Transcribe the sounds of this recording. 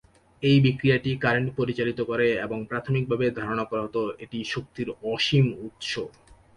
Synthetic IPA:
ejbikɾiaʈikaɾeɳʈpoɾit͡ɕalit̪okoɾeeboŋpɾat̪ʰomik̚bʱabed̪ʱaɾonakɔɾaɦot̪oeʈiʃok̚t̪iɾɔʃimut̪ʃo

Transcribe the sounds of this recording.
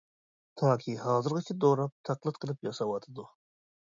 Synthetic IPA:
t̪ʰɑːkʲʰihɑːzɨɾʁɨt͡ʃʰɛd̪oɾɑp̚t̪ʰæqlˠɨt̪̚qʰəlˠɨpjɑsɑwɑt̪ʰɨd̪u

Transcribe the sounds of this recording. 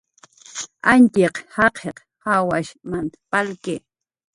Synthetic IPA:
ant͡ʃeqhɑqʰeq | hawaʃmant̪ḁpalke

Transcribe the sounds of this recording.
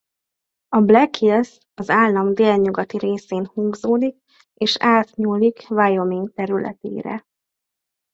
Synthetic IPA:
ɒblɛkils | ɒzaːlːɒmd̪eːlɲuɡɒt̪iɾeːseːnhuŋɡzoːd̪ik̚ | eːʃaːt̪ɲuːlːikvajo̞miŋk̚t̪ɛɾylʔɛ̰t̪ḛːɾɛ̰

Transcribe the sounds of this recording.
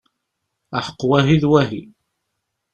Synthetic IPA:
aħə̥qːwæɦiðwæɦḭ

